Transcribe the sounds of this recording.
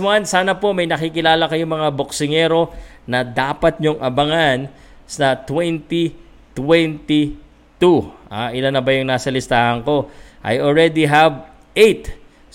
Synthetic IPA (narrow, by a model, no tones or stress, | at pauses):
wansaːnɐpo̞mɐjnɐkiːkɪlaːlɐkɐjomɐŋabok̚sɪŋɛɾo̞ | nɐd̪aːpɐt̪̚ɲoŋʔɐbɐŋan | sɐt̪wɛnt̪i | t̪wɛnt̪i | t̪uʔaʔɪlanɐbajʊŋnaːsɐlɪst̪aːhɐŋko̞ | ʔɐ̰jolɹɛd̪iɦɐb | ʔejt̪